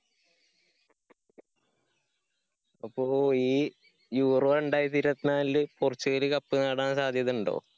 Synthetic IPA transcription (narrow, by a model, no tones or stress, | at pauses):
ɐpːoːiː | juːroeɳɖaːjit̪iɾɐt̪naːilɨpurɐt͡ɕːuɣɐlɨkɐpːɨnɐːɽaːnsaːd̪ʱjɐðuɳɖo̰ː